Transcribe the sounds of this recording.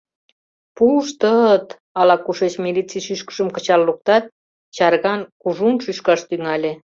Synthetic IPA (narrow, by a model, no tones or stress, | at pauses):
puʃt̪ət̪ | ɑlɑkuʃet͡ɕmilit͡sijʃyʃkə̥ʒəmkət͡ɕɑlːuk̚t̪ɑt̪̚ | t͡ɕɑɾɣɑnkuʒunʃyʃkɑʃt̪yŋɑlʲe